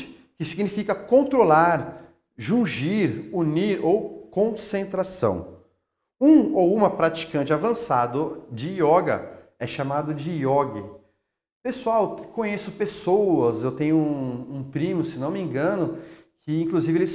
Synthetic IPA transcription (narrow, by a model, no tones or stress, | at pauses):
ɪ̥ | kɪsiɡnifikɐkõnt̪ɾolaɾ | ʒũʒiɾuniɾowkõsẽnt̪ɾasɐ̰̃w̃ | ũowũmɐpɾat͡ʃi̥kɐ̃nt͡ʃɪavɐ̃sad̪ʊd͡ʒɪɔɡɐ̰ | ɛʃamad̪ʊd͡ʒɪɔɡɪ | pesuawkõɲesʊpesowɐzewt̪ẽɲʊũũpɾĩmʊsɪnɐ̃w̃mĩŋɡɐ̃nʊkʰɪĩŋkluzivɪelɪs